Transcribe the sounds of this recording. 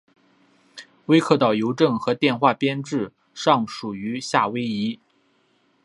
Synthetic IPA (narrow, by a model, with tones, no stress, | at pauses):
we˥ɪkʰɤ˥˩t̪ɑ˨˩ʊjo˧˥ʊʈ͡ʂɤ˥˩ŋxɤ˧˥t̪jɛ˥˧nxwa˥˩pjɛ˥nʈ͡ʂɻ̩˥˩ | ʂɑ˥˩ŋʂu˨˩y˧˥ɕja˥˩we˥ɪi˧˥